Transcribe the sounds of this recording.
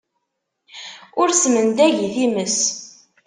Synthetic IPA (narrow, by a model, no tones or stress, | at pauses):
ʊɾsmənd̪æʝiθiməs